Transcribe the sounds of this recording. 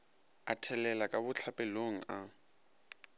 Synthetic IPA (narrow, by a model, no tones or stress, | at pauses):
atʰɛlɛlakʼabʊt͡ɬʰapʼɛloŋ̩a